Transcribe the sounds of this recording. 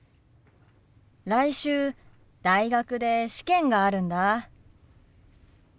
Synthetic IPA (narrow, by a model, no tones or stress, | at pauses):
ɾaiɕɨː | d̪̥aiɡakɯ̟d̪e̞ɕi̥kẽ̞ŋɡaːɾɯ̟̃nd̪a